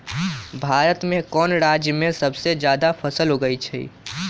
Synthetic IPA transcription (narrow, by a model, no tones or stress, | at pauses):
bʱaːɾət̪mẽkɔːnɾad͡ʒjəmẽsəbsed͡ʒjad̪apʰəsəlɦoɡəjt͡ʃʰɛ̰ḭ